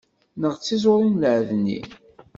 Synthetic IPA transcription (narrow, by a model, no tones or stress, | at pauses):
nəʁt͡sːizʊɾˤinlʕðnːḭ